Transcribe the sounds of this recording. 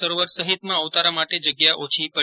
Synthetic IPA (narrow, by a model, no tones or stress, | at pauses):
əɾoʋəɾsəɦit̪mãəʋt̪aɾamaʈed͡ʒəɡjaʔot͡ʃʰipə